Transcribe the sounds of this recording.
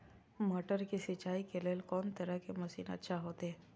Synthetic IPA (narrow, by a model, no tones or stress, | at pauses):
məʈəɾkisɪt͡ʃaːikeleːlkɔːnt̪ɐɾəkemɐsḭːnɐ̰tːʃʰaɦoːt̪eɛ